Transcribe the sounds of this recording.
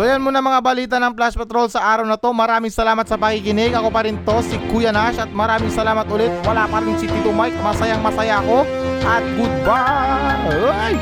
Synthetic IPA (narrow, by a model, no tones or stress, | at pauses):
sojɐnmonɐmɐŋabɐliːt̪ɐnɐŋplaspɛt̪ɾo̞lsɐʔaːɾɐwnɐt̪o̞mɐɾaːmɪŋsɐlaːmɐt̪sɐpɐkɪkɪnɪɡʔɐko̞pɐɾɪnt̪o̞sikuːjɐnaʃɐt̪̚mɐɾaːmɪŋsɐlaːmɐt̪̚ʔʊlɛt̪̚wɐlapɐɾɪŋsik̪ɪt̪ʊmajk̚mɐsɐjaŋmɐsɐjaʔɐko̞ | ʔɐt̪̚ɡʊd̪̚ba | j